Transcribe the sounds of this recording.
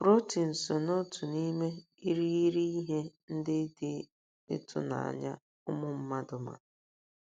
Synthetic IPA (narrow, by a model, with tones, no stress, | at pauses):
bɾo˦ti˨n̩˨so˨no˦tʊ˨ni˦me˦ | i˦ɾi˦i˦ɾi˦i˦ɦe˦n̩˦dɪ˦dɪ˦ | ɪ̰˦tʰʊ̰˦na̰˨a̰˨ɲa̰˦ | ʊ˦mʊ˦m̩˦ma˦dʊ˨ma̰˨